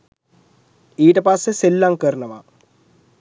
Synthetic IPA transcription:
iːʈɐpaːseselːaːŋkɐɾɳɐma

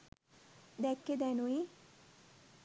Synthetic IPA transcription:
d̪ɛkːed̪ɛnui

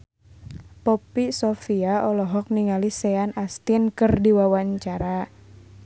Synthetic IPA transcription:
pɔpisɔfiaɔlɔɦɔk̚niŋalisɛanast̪inkɨrdiwawaɲt͡ʃaɾa

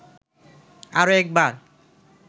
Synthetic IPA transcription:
aɹoɛk̚baɹ

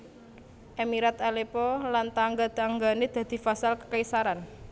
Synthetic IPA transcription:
ʔemiɾat̪alepɔlant̪aŋɡad̪̥aŋɡaned̪̥a̤d̪̥i̤fasalkə̥kaisaɾan

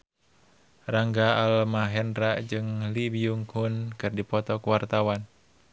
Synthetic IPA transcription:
raŋɡaalmaɦɛnraʔd͡ʒɨŋlibiuŋhunkɨrdipɔt̪ɔkuwart̪awan

